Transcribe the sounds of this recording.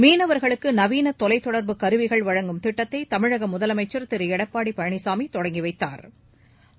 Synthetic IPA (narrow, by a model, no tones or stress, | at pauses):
miːnɐʋɐɾɣɐɭɯkːɯnɐʋiːnɐt̪ːɔlɐɪt̪ːɔɽɐɾbɯkɐɾɯʋɪɣɐɭʋɐɻɐŋɡɯmt̪ɪʈːɐt̪ːɐɪt̪ɐmɪɻɐɣɐmʊðɐlɐmɐɪt͡ʃːɐɾt̪ɪɾɯɛɽɐpːaːɽipɐɻɐɳɪsaːmit̪ːɔɽɐŋɡiʋɐɪt̪ːa̰ːɾ